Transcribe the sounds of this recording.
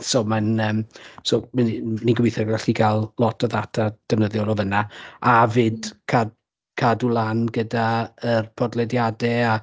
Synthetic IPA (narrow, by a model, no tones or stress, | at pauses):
soːmanəːmsoːmniniɡwɪjθɛrɡɛɬiɡalˠlˠɔtʰɔðatʰad̥ɛvnəðjɔlɔvənaavɨdkʰad | kʰadulˠanɡədaərpʰɔdlˠɛdjadɛa